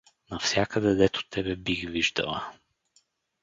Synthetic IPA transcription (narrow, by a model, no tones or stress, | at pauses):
nɐfsʲjakəd̪ɛd̪ɛt̪ʊ̥t̪ʰɛbɛbiɣviʒd̪ə̰lˠə̰